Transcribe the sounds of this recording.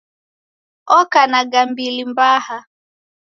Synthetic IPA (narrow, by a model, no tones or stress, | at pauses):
ɔkanaɡambilimbaha